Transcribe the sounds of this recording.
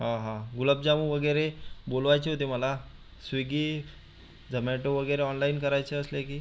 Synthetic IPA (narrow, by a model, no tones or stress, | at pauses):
ɦãɦãɡuləb̚d͡ʑamuʋəɡəjɾebolʋajt͡ɕeɦot̪eməla | sʋiɡiː | d͡zʱəmeʈoʋəɡəjɾeɔnlainkəɾajt͡ɕeəslekiː